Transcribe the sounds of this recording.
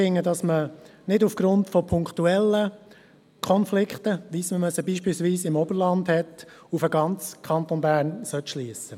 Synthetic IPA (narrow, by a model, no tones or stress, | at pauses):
ɪŋːədɑsmənɪdufɡ̥ɾʊntfɔpʰʊŋkχtuɛlːə | kʰɔnflɪkχtəʋisməmœsəbiːʃpilsʋiːsɪmɔbəɾlɑndhɛtufəɡɑnt͡skʰɑnt̪onbæːɾnsœt̪ʃliːsə